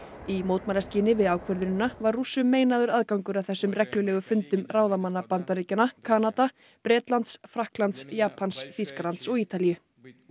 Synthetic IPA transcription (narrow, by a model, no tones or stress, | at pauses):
imoːwt̪malɛsciːnɪvɪðaːwkʰvœɾðʏnɪnavarrusːʏmːeːjnaðʏɾaðkawŋkʏɾavθɛsːʏmrɛklʏlɛːɣʏfʏnt̪ʏmraːwðamanːapant̪aɾiːcanakʰaːnat̪a | pɾɛːt̪lant̪sfɾahklant̪sjaːpʰansfiskalant̪sɔɣiːt̪alijʏ